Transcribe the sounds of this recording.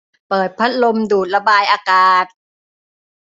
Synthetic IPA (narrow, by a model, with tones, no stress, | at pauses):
pɤː˨˩t̪̚pʰa˦˥t̪̚lo˧mduː˨˩t̪̚ɾa˧baː˧jʔaː˧kaː˨˩t̪̚